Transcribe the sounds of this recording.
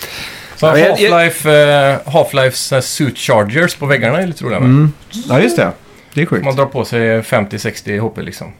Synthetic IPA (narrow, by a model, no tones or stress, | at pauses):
sɔlaɪf | ɦɑːflaɪfssʉːt̪t͡ʃɑːd͡ʒəspʰɔʋɛɡːaɳəɛɾɭɪt̪ːəɾuːlɪ̰mɛaːjʉst̪ɛ̰ | d̪ɛmɑnd̪ɾɑːɾpʰɔsɛɪfɛmt̪ɪsɛkst̪ɪhuːpːəlɪ̰ksɔ̰m